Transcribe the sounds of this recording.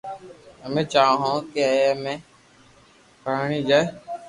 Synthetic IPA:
əmẽːt͡ʃaːãɦõːkeemẽː | paːɳiːd͡ʒaːe

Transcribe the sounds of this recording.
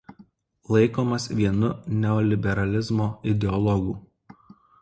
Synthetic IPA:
lˠɐɪkoːmɐsʋʲiɛnʊnʲɛɔlʲɪbʲɛɾɐlʲɪzmoːɪd̪ʲɛɔlˠɔɡuː

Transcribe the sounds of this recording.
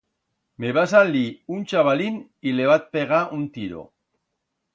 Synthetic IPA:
meβasaliunt͡ʃaβalin | ileβat̪̚peɣaʔunt̪iɾo̰

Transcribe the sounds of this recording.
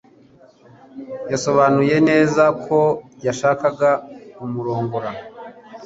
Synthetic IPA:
jaso̞βanuje̞ne̞ːzakʰo̞jaʃaːkaɡaumuɾo̞ːŋɡoɾa

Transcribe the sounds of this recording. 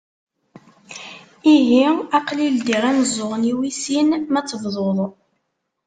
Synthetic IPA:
iɦiæqlild̪iɾænzʊʁniwisinmæt͡sːəvðˤoðˤ

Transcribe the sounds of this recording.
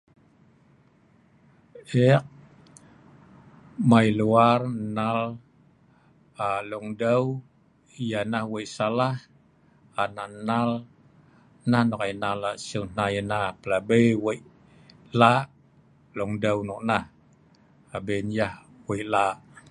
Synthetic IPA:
ɛk̚ | mailuarnal | aluŋdəw | ijanahwejʔsalah | ananal | nahnɔkajnalaʔsuŋnajənahpəlabejwejʔ | laʔ | lɔŋdəwnɔʔnah | abenjah | weijʔlaʔ

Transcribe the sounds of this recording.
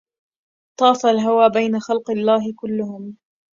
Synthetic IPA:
t̪ˤɑːfalɦawaːbajnaxalqɑlːaːɦɪkʊlːʊhʊm

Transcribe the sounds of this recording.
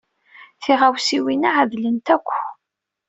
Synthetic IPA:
θiʁawsiwinaʕəðlənt̪ækʷː

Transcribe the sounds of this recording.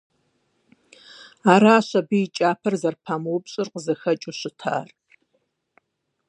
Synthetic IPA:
aːɾaːɕɐbɨit͡ʃʼaːpʰɐrzɐrpʰaːmuwʊpɕʼɪrqəzɐxɐt͡ʃʼuɕɪtʰa̰ːr

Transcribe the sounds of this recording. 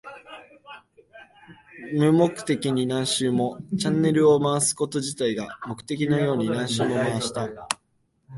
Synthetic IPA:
mɯ̟mo̞kɯ̟̥t̪e̞kʲiɲ̟inãɰ̃ɕɨːmo̞t͡ɕãnːe̞ɾɯ̟o̞maβasɨ̥ko̞t̪o̞ʑit̪aiɡamo̞kɯ̟̥t̪e̞k̬ʲinojo̞ːɲ̟inãɰ̃ɕɨːmo̞maβaɕi̥t̪a

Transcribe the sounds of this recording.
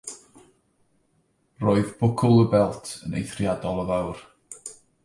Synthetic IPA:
roːɨðb̥ʊkʰʊlˠəbɛlˠtʰənḛjθrjadɔlˠəvawr

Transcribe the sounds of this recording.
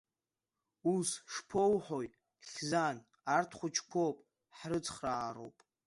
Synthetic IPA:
usʂpʰowħojtʼ | ɬʲzan | artʰχʷʊt͡ʃʰkʷʰopʼ | ħrɨt͡sʰʼχraːro̰wpʼ

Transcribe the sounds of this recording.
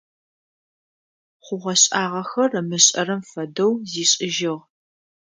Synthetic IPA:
χʷʊʁɐɕʼaːʁɐxɐrɐmɨɕʼɐ̰rɐmfɐdɐwziːɕʼɪʒɪʁ

